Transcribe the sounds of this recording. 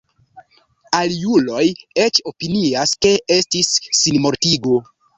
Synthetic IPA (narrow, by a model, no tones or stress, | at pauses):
aljulo̞je̞t͡ʃo̞piniaske̞ʔe̞stisːinmo̞ɾtiɡo̞